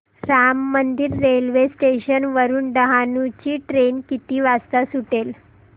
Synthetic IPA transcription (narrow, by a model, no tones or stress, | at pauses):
ɾamːənd̪iːɾːelʋesʈeɕənʋəɾuːnɖəɦanut͡ɕiːʈɾenkit̪iːʋast̪asuʈel